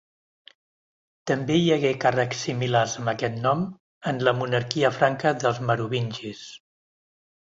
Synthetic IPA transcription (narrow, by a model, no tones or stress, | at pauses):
t̪əmbejəɣɛkarəksːimilarzəmbəkɛt̪nɔm | ənləmunəɾkiəfɾaŋkəðəlˠzməɾuβinʲʒis